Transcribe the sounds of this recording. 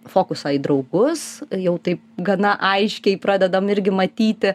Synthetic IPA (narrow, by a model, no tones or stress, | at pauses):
foːkʊsɐːiːd̪ɾɐʊɡʊsjɛʊt̪ɐɪp̚ɡɐnɐʔɐɪʃʲkʲɛɪpɾɑːd̪ʲɛd̪ɐmɪɾʲɡʲɪmɐt̪ʲiːt̪ʲɪ